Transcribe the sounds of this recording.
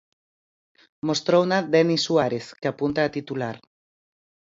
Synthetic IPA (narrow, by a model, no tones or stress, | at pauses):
most̪ɾownad̪enisuaɾeθkeapunt̪aːt̪it̪ulaɾ